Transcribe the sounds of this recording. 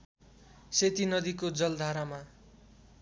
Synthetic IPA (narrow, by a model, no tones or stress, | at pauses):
set̪inʌd̪ikod͡zʌld̪ʱaɾama